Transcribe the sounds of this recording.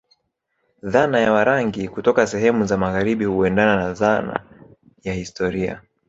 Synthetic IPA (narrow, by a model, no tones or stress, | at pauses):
ðanajawaɾaŋɡikutɔkasɛhɛmuzamaɣaɾiɓihuɛndananaðana̰ | jahistɔɾia̰